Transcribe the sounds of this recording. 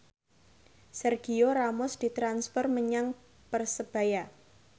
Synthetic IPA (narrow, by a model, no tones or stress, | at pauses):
sɛrɡ̥ioɾamʊsd̪̥i̤t̪ɾansfərməɲaŋ | pərsəb̥a̤ja